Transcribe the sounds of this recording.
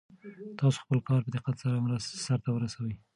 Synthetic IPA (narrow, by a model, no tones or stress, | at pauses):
t̪ɑso̥xpəlkɑɾpəd̪ɪqat̪saɾamɾast̪saɾt̪awəɾasawəj